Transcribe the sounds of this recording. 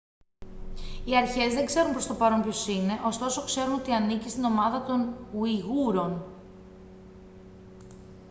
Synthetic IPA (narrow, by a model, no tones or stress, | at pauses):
iɐɾçe̞zðe̞ɡze̞ɾunmpɾost̪o̞pɐɾo̞mpço̞sine̞ʔo̞st̪o̞so̞kse̞ɾuno̞t̪iɐnicist̪ino̞mɐðɐt̪o̞nuiɣuɾo̞n